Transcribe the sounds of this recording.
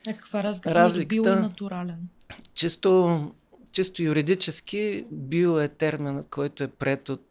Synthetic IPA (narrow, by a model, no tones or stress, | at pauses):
ɐkə̥kvaɾazɾazllikilˠt̪ənɐt̪uɾalɛn | t͡ʃist̪o | t͡ʃist̪ojʊɾid̪it͡ʃɛsk̟ibiɛt̪ɛɾminət̪kʰɔjt̪oɛpɾɛt̪ot̪